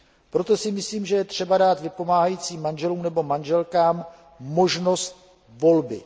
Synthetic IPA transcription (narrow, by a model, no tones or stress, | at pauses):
pɾo̞t̪o̞sɪmɪsliːmʒɛjɛt̪r̥ɛbadaːt̪vɪpo̞maːɦajiːt͡siːmːanʒɛluːmnɛbo̞manʒɛlkaːm | mo̞ʒno̞st̪̚ | vo̞lbɪ